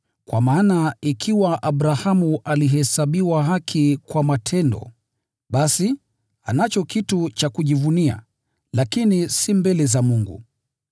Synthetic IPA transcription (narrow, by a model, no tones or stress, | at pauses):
kwamaːnaikʰiwaʔaɓɾahamuʔaliɦɛsaɓiwaɦakʰikwamatʰɛndɔ̰ | ɓasi | a̰nat͡ʃɔkitut͡ʃakuʄivunia̰ | lakinisimbɛlɛzamuŋɡṵ